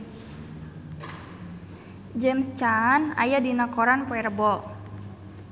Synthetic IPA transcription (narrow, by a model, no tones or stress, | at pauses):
d͡ʒɛmst͡ʃana̰jadinakɔɾanpɔɛrəbɔ